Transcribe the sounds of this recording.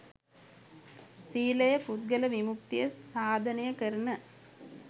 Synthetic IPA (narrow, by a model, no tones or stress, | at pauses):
siːlɐjɐput̪̚ɡɐlɐʋimuk̚t̪ijɐsːaːd̪ʱɐnɐjɐkɐɾɐnɐ